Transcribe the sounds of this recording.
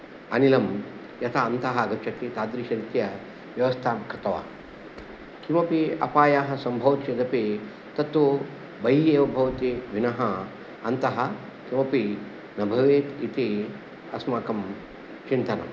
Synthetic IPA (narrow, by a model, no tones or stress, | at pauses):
ɐ̰nilɐm | jɐt̪ʰaɐnt̪ɐɦɐɐɡɐt͡ʃʰɐk̪it̪aːd̪ɾiːʃɐɾit̪jɐ | ʋjɐʋɐst̪ʰaːmkʰɐt̪ɐʋa̰ː | kimɐpiɐ̰paːjaːɦɐ̆sɐmbʱɐʋ̪t͡ʃed̪ɐpe | t̪ɐt̪ʋu | bɐjeːʋɐbʱɐʋɐt̪iʋinɐɦɐ | ɐnt̪ɐɦɐ̆ | kiʋɐpi | nɐbʱɐʋeːt̪it̪i | ɐsmaːkɐm | t͡ʃint̪ɐnɐ̰m